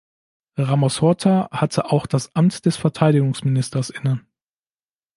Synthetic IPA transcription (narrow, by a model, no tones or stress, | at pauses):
ʁamasɔtʰahatʰəʔaʊxd̥asʔamtd̥ɛsfɛɐtʰaɪdɪɡʊŋsmɪnɪstɐsʔɪnə